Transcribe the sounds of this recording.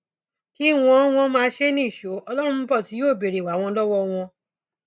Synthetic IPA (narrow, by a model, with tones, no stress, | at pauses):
ki˦˨w̃ɔ̃˦w̃ɔ̃˦mãː˧˦ʃe˦nĩ˦˨ʃo˨˦ɔ˧lɔ˦ɾ̃ũ˧m̩˧˦bɔ˦˨ti˨˦joː˦˨be˨ɾe˨wa˨˦w̃ɔ̃˧lɔ˦wɔ˦w̃ɔ̃˧